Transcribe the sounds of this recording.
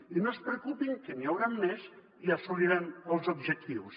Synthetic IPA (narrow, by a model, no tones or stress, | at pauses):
inospɾekupiŋkəniawɾamːɛz | iasuliɾanəlˠzubʒək̚t̪iws